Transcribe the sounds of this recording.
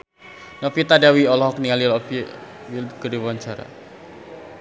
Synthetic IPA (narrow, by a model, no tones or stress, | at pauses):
nɔpit̪adawiɔlɔɦɔkniŋalilɔpi | ilɡəɾiwaɲt͡ʃaɾa̰